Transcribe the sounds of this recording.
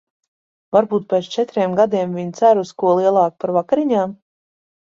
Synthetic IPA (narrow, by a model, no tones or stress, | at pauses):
vaɾbuːt̪̚pʲɛt̪st͡ʃɛt̪ɾiɛmɡad̪iɛmvʲiɲt̪sæɾuskuɔlˠiɛlˠɑːk̚paɾvakaɾiɲaːm